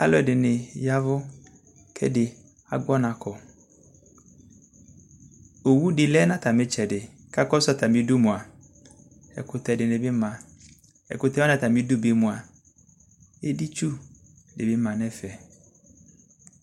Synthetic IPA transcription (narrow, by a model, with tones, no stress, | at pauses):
a˦lɔ˦ɛ˨dɪ˨nɪ̃˨ja˦vʊ˦ | kʰɛ̰˦dɪ˨ | a˨ɡɔ˦nã˨kʰɔ˨ | o˨wu˦di˨lɛ˦nã˦tʰa˨mɪ̃˦t͡ʃɛ˨dɪ˨ | kʰa˦kɔ˦sa˦ta˨mɪ̃˦du˦mʊ̃˨a˨ | ɛ̰˨kʊ˨tɛ˨dɪ˨nɪ˨bɪ˦mã˨ | ɛ̰˨kʊ˨tɛ˦ɔ˦nã˨ta˨mɪ̃˦dʊ˦be˨˦mʊ̃˨a˨ | e˦di˦t͡ʃu˦˨ | dɪ˨bɪ˦mã˨nɛ˦fɛ˨